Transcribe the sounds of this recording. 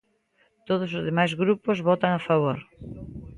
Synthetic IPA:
t̪oð̞osozðemajzɣɾupozβɔt̪aŋafaβ̞oɾ

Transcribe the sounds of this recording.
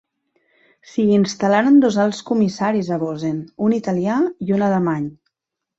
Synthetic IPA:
siːnst̪alaɾənd̪ozalˠskumisaɾizəβozenunit̪aliaiunaləmaɲ

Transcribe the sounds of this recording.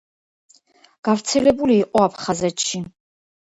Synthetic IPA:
ɡ̥aɾt̪sʰɛlɛbuliːqʼɔapʰχazɛt̪ʃi

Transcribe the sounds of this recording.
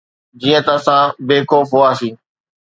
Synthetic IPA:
d͡ʑiːə̃t̪əsãːbeːkoːfɦoːaːsiː

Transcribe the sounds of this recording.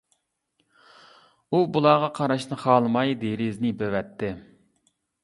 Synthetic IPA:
ubulˠɑːʁɑqʰɑɾɑʃnɨχɑːlˠɨmɑjd̪eɾɪznɪbøwɛt̪ʰːɪ

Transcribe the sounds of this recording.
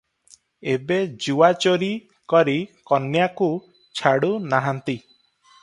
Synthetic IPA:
ebed͡ʒuwat͡ʃoɾi | kɔɾikɔnjaku | t͡ʃʰaɽunaɦant̪i

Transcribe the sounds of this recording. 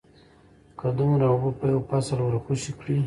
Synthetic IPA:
kʰad̪ʊmɾaʊbupəjawpasalwəɾxuʃikɽi

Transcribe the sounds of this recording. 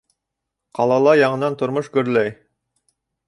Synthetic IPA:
qʰɑlˠɑlˠɑjɑɴɤ̆nɑnt̪ʰʊ̆ɾmʊʃɡɵ̆ɾlæj

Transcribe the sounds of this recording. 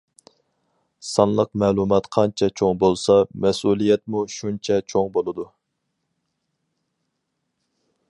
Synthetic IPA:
sɑnlˠəqmɛːlˠumɑt̪qʰɑnt͡ʃʰɛt͡ʃʰoŋbolˠsɑmɛsulˠijɛt̪̚muʃunt͡ʃʰɛt͡ʃʰoŋbolˠɨd̪u

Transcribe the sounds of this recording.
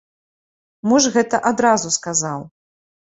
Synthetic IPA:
muʐɣɛt̪ɐʔad̪ɾazuskazaw

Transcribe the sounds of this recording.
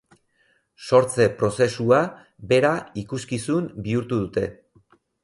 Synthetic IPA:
so̞ɾt͡se̞pɾo̞se̞sua | be̞ɾaikuskisumbiuɾt̪uðut̪e̞

